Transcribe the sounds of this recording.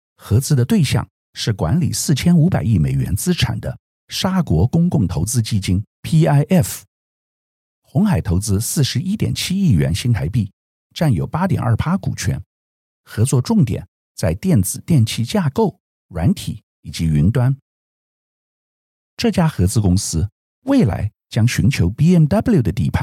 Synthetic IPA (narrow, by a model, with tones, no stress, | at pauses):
xɤ˧˥t͡sɹ̩˥d̪ə˧t̪we˥˧ɪɕjɑ̰˥˧ŋ | ʂɻ̩˥˩kwa̰˧˥nlḭ˨˩sɹ̩˥˩t͡ɕʰjɛ˥nu˧˥pa˨˩ɪi˥˩me˨˩ɪɥɛ̰˧˥nt͡sɹ̩˥ʈ͡ʂʰa̰˨˩nd̪ə̰˦ | ʂa˥kwɔ˧˥kʊ˥ŋkʊ˥˩ŋt̪ʰo˧˥ʊt͡sɹ̩˥t͡ɕi˥˩t͡ɕi˥ŋpʰi˥a˥ɪʔɛ˥˩f | xʊ˧˥ŋxa˨˩ɪt̪ʰo˧˥ʊt͡sɹ̩˥sɹ̩˥˩ʂɻ̩˧˥i˥t̪jɛ̰˨˩nt͡ɕʰi˥i˥˩ɥɛ̰˧˥nɕi˥ŋt̪ʰa˧˥ɪpi˥˩ | ʈ͡ʂa˥˩njo˨˩ʊpa˥t̪jɛ̰˨˩nʔə̰˞˥˩pʰa˥kṵ˨˩t͡ɕʰɥɛ̰˧˥n | xɤ˧˥t͡swɔ˥˧ʈ͡ʂʊ˥˩ŋt̪jɛ̰˨˩˦n | t͡sa˥˧ɪt̪jɛ˥˩nt͡sɹ̩˨˩t̪jɛ˥˩˧nt͡ɕʰi˥˧t͡ɕja˥˧ko˥˩ʊ | ɻwa̰˧˥nt̪ʰḭ˨˩˦ | i˨˩t͡ɕi˧˥y˧˥nt̪wa˥n | ʈ͡ʂɤ˥˩t͡ɕja˥xɤ˧˥t͡sɹ̩˥kʊ˥ŋsɹ̩˥ | we˥˩ɪla̰˧˥ɪ | t͡ɕjɑ˥ŋɕy˧˥nt͡ɕʰjo˧˥ʊpi˥ɛ˥˩mt̪ɐ˥blju˥˩d̪ə˩t̪ḭ˥˧pʰa˥˩